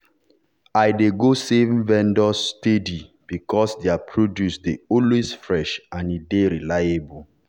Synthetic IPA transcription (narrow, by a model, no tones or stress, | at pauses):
ajdeɡosevvɛ̃ndɔstedi | b̥ikɔsdeapʰɹodjusdeɔlwesfɹɛʃãnideɹilajebul